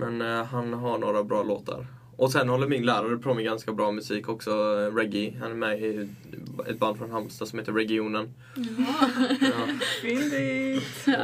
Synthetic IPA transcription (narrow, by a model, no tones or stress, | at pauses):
mɛnɦanɦaɳoːɾabɾɑːlo̰ːt̪ʰa̰ɾ | ʔɔsɛnhɔlːəɾmɪnlæːɾaɾəpʰɾɔmɪɡanskabɾɑːmɵsiːkɔksɔɾɛɡɪɦa̰nɛɾmɛ | ɛ̰t̪̚band̪fɾɔnɦamst̪asɔmheːt̪əɾɛɡɪuːnən